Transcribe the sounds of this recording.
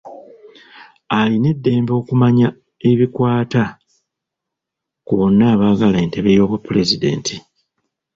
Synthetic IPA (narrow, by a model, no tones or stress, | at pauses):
aline̞dːe̞ːmbo̞ːkumaɲa | e̞βikwaːta | kuβo̞nːaːβaɡalaenteβe̞jo̞ːβapːule̞zide̞̰ːntʰi